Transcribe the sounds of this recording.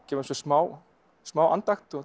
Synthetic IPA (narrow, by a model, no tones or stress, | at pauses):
cɛːmsɔsmaːw | smaːwʔa̰nt̪axt̪ɔ